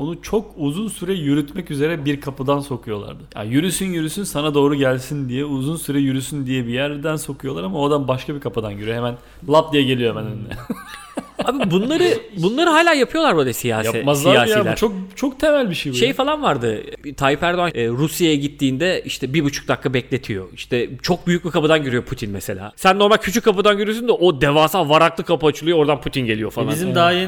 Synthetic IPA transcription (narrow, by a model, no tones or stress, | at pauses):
o̞nut͡ʃʰo̞k̚uzunsyɾɛjyɾyt̪mɛcyze̞ɾɛbiɾkʰapɯd̪anso̞kʰujo̞lˠa̰ɾd̪ɯja̰jyɾysynjyɾysynsanad̪o̞ːɾuɟælʲsind̪ijɛuzunsyɾɛjyɾysynd̪ijɛbijæɾd̪ænso̞kʰujo̞lˠaɾamaod̪anbaʃkʰabikʰapɯd̪anɟyɾyemæn | lˠap̚d̪ijɛɟe̞lʲijomɛnennɛ | aːbbunlˠaɾɯbunlˠaɾɯɦaːlʲaːjapʰɯjo̞lˠaɾbølʲˠasijaːsj̪aɛmazlˠajaːailʲæɾt͡ʃʰok̚t͡ʃʰokt̪ʰemælʲbiʃejbuʃefalˠanvaɾd̪ɯt̪ʰaːjipæɾd̪o̞anːɾusjajaɟit̪ːiːnd̪ɛiʃt̪ʰɛbibut͡ʃʰu̥k̚d̪akʰːabɛclʲe̞t̪ʰijo̞̰iʃt̪ʰɛt͡ʃʰo̞k̚byjyc̚ʲbikʰapad̪anɟøɾyjo̞pʰut̪ʰinmɛse̞lʲa̰ːsænnːo̞ɾmalʲcʰyt͡ʃʰycʲkʰːapɯd̪anɟøɾyjosynd̪ɛʔod̪evaːsalˠvaɾaklˠɯkʰapɯat͡ʃʰɯlˠujooɾd̪anput̪ʰinɟeijo̞falˠbizimd̪aje